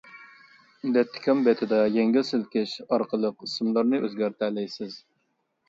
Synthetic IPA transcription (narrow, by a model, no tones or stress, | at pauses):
d̪ɛt̪ʰːɪ̥kʰʲɑmbɛt̪ʰɪd̪ɑjeŋɡʲɪlsɪlkʲɪʃɑɾqʰəlˠəqisɨmlˠɑɾnɨʔøzɡʲæɾt̪ʰælɛjsɪz̥